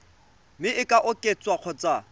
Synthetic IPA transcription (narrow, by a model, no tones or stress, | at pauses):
mɪʔɪkʼaʔʊkʼet͡sʼwaq͡χʰɔt͡sʼa